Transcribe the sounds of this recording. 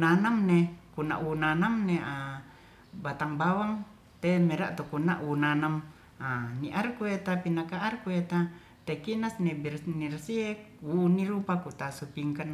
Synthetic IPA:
nanamnekuna̰ʔunanamnea | bat̪aŋbawaŋ | t̪emeɾa̰ʔt̪ukunaʔunanam | aniʔarkuet̪apinakaːrkuet̪a | t̪ekinasnebirnirsie | uːniɾupakut̪asupiŋkan

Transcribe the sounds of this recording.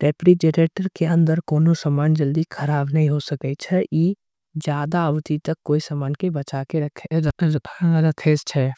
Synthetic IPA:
ɾeːpɾid͡ʒeɾeːʈəɾkeɐ̃nd̪əɾkoːnosəmaːnd͡ʒɐld̪ikʰɐɾaːbnɐɦĩɦosɐkət͡ʃʰɛʔiː | d͡ʒjaːd̪aəʋt̪it̪ɐkːoːisəmaːnkebɐt͡ʃakeɾɐ | ɾɐt̪ʰeːst͡ʃʰɛː

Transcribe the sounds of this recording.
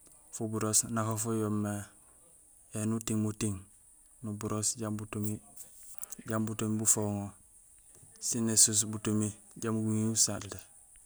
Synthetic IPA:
fubuɾosnakofojomːe | enutiŋmutiŋ | nubuɾosɟambutumi | ɟambutumibufoŋo | sinesus̬butumi | ɟamɡuŋiusatle

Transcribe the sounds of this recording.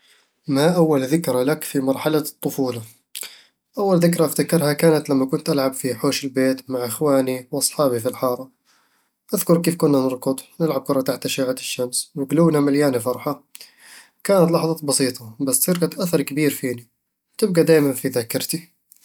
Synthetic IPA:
maʔawːalðɪkɾalakfimɑɾˤħalat̪ˤːʊfuːla | ʔawːalðɪkɾaʔaft̪akɪɾhakaːnat̪lamːakʊnt̪ʔalʕabfiħoːʃɪlbeːt̪maʕʔɪxwaːniwʔɑsˤħɑːbifilħɑːɾˤɑ | ʔaðkʊɾkeːfkʊnːanɨɾˤkʊd̪ˤnɪlʕab̚kʊɾˤɑt̪aħt̪ʔaʃaːʕat̪ɪʃːamswɪɡluːnamaljaːnifɑɾˤħa | kaːnat̪lɑħðˤɑbɑsiːt̪ˤɑbasːɪɾkat̪ʔaθɑɾˤkabiːɾfiːni | t̪ɪb̚ɡad̪aːjmanfiðakɪɾˤt̪i

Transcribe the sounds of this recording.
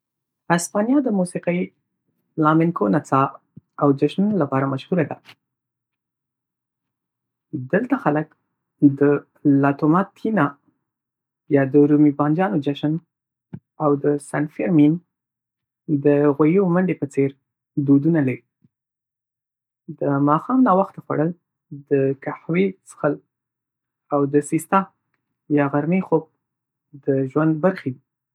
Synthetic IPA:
aspɑnjɑd̪əmusiqəj | lɑmɪnkonat͡sɑ | awd͡ʒaʃnunolapɑɾamaʃhuɾad̪a | d̪əlt̪axalək | d̪ə | lɑt̪omɑt̪ʰina | jɑd̪əɾumibɑnd͡ʒɑnod͡ʒaʃən | awd̪əsanfeɾmin | d̪əɣajeomaɳɖepət͡seɾ | d̪od̪unalaɾi | d̪əmɑxɑmnɑwaxt̪axwa̰ɽəl | d̪əkaħwesə̥xəl | awd̪əsist̪ɑ | jɑɣaɾmexob̚ | d̪əʒwand̪̚baɾxed̪i

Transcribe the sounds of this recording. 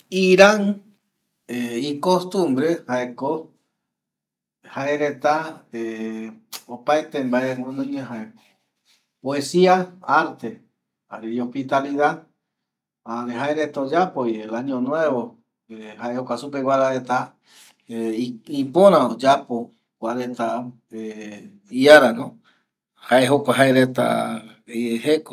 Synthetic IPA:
iɾan | eikost̪ũmbɾehaeko | haeɾet̪ae | opaet̪embaeŋonõjeɦae | poesiaaɾt̪e̞ | aɾeiospit̪aliðað | aɾeɦaeɾet̪aod͡ʒapojelaɲĩõnw̃eβo | ehaʔehokʷasupewʷaɾaɾet̪a | eipõɾ̃ãod͡ʒapo | kʷaɾent̪a | e | iaɾanõ | haʔeɦokʷaɦaeɾet̪a̰ | ieheko

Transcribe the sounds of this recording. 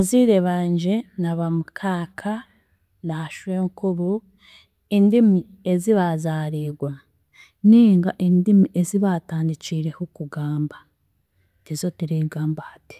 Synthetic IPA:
aziːɾeβaːɲɟenaβamukʰaːkʰa | naʃweŋkuβu | indimi | eziβazaːɾiːɡwa | niːŋɡaʔindimiʔeziβaːtaːndiciɾe̞hukuɡaːmba | tizotiɾiɡaːmbahati̥

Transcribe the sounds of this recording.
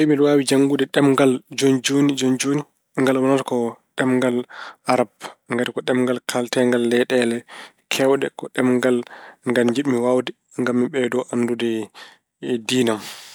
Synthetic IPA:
sɛmidwaːwid͡ʒaŋɡudɛɗɛmŋɡald͡ʒond͡ʒonid͡ʒond͡ʒoni | ŋɡalwɔnatkɔɗɛmŋɡalaɾabŋɡatikɔɗɛmŋɡalkʰaltɛŋɡalːɛɗɛlɛ | kʰɛwɗɛ̰kɔɗɛmŋɡalŋɡalɲd͡ʒiɗmiwawdɛ | ŋɡamːiɓɛdɔʔanːdudɛ | diːnam

